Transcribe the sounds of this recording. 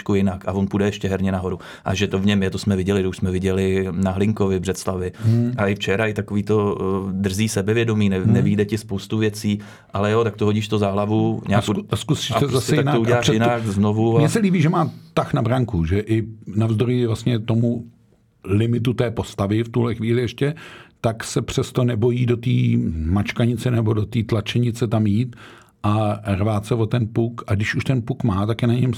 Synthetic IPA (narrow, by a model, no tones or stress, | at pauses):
ʃkujɪnakavonpudɛjɛʃcɛɦɛɾɲɛnaɦo̞ɾu | ʔa̰ʒɛt̪o̞vɲɛmjɛt̪osmɛvɪɟɛlɪt̪ouʃsmɛvɪɟɛlɪnaɦlɪŋko̞vɪbr̝ɛt̪slavɪaɪft͡ʃɛɾaɪt̪ako̞viːt̪o̞d̪r̩ziːsɛbɛvjɛdo̞miːnɛnɛviːdɛcɪspo̞wst̪uvjɛt͡siː | ʔalɛjot̪ak̚t̪oɦo̞ɟiːʃt̪ozaɦlavuɲaːkoskusɛzasɛaknaouɟɛlaːʃjɪnakzno̞vumɲɛsɛliːbiːʒɛmaːt̪axnabɾaŋkuʒɛʔɪnavzd̪ojɪvlast̪ɲɛt̪o̞mu | lɪmɪt̪ut̪ɛːpo̞st̪avɪft̪uɦlɛxʋiːlɪjɛʃcɛt̪aksɛpr̝̥ɛst̪o̞nɛbo̞jiːdo̞t̪iːmat͡ʃkaɲɪt͡sɛnɛbo̞do̞t̪iːt̪lat͡ʃɛɲɪt͡sɛt̪amjiːt̪ | ʔarvaːt͡sɛvo̞t̪ɛnpukaɡdɪʃuʃt̪ɛnpukmaːt̪akjɛnaɲɛm